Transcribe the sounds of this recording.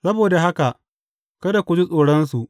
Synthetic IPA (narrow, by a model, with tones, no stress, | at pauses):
sɐ˦boː˨da˨ɦa˦ka˨ʔ | kɐ˦da˨kʷʊ˨d͡ʒi˦sʼoː˨ɽɐ˦ns̬u˨ʔ